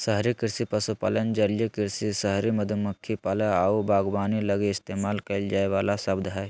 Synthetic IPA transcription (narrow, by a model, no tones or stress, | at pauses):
səɦɾikɪɾsipəsupa̰ːlənd͡ʒəljikɪɾsisəɦɾiməd̪ʱəməkʰːipaːləaubʱaːɡbaːniləɡeɪst̪eːmaːlkɐɪld͡ʒaːeʋaːlasɐbd̪ʱɦɛː